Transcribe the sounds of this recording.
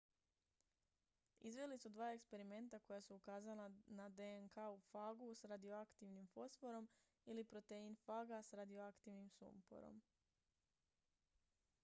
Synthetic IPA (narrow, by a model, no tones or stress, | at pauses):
izʋe̞lisud̪ʋaːe̞kspe̞ɾime̞nt̪ako̞jasuukaːzalanad̪eŋkaufaːɡusɾad̪ijo̞akt̪iʋnimfo̞sfo̞ɾo̞m | ilipɾo̞t̪einfaːɡasɾad̪ioakt̪iʋnimsṵmpo̰ɾo̰m